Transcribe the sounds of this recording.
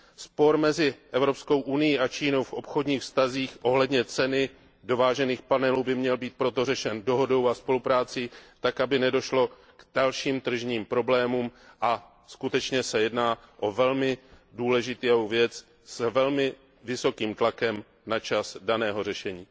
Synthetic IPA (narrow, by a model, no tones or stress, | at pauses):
spo̞ɾmɛzɪʔɛvɾo̞psko̞wʔunɪjiʔat͡ʃiːno̞wfʔo̞pxo̞dɲiːxfst̪aziːxʔo̞ɦlɛdɲɛt͡sɛnɪ | do̞vaːʒɛniːxpanɛluːbɪmɲɛlbiːt̪̚pɾo̞t̪o̞rɛʃɛndo̞ɦo̞do̞waspo̞lupɾaːt͡sit̪akʔabɪnɛdo̞ʃlo̞ | ɡ̥d̥alʃiːmt̪r̩ʒɲiːmpɾo̞blɛːmuːmʔa | skut̪ɛt͡ʃɲɛsɛjɛdnaːʔo̞vɛlmɪduːlɛʒɪt̪owvjɛt͡s | svɛlmɪ | vɪso̞kiːmt̪lakɛm | nat͡ʃasdanɛːɦo̞rɛʃɛɲiː